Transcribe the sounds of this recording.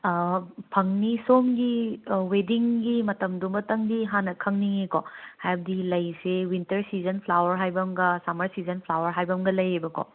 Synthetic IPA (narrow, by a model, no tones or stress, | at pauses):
pʰɐŋnisomɡiwediŋɡimɐtɐmdumbɐtɐŋdiɦanɐkʰɐŋniŋekohajbɐdilɐjsewintɐɾsizɐnpʰlawɐɾɦajbɐmɡɐsamɐɾsizɐnpʰlawɐɾɦajbɐmɡɐlɐjejbɐko̰